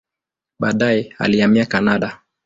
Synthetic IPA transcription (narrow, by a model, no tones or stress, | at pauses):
ɓaːɗajɛa̰liamiakanaɗa